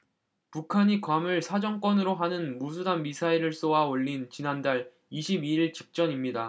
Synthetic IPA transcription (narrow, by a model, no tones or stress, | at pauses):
pukʰaɲikwamɯɭsʰad͡ʑʌŋk͈wʌnɯɾoɦanɯnmus̬ʰudanmisʰaiɾɯɭs͈owaoʎːint͡ɕinandaɭ | iɕʰibiiɭt͡ɕik̚t͡ɕ͈ʌɲimɲida